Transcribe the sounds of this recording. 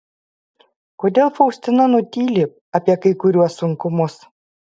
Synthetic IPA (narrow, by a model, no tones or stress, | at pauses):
koːd̪ʲeːlˠfɔʊsʲt̪ʲɪnɐnʊt̪ʲiːlʲɪp̚ | ɐpʲiɛkɐɪkʊɾʲuɔsːʊŋkʊmʊs